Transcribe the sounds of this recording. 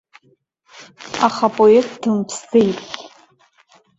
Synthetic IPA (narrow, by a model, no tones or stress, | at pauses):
aχapʼojektʰdɨmpʰst͡sejtʼʲ